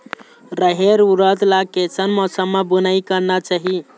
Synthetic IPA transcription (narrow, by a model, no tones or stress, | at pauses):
ɾəɦeɾuɾəd̪lakesənmɔsəmːebənaikəɾnat͡ʃaɦi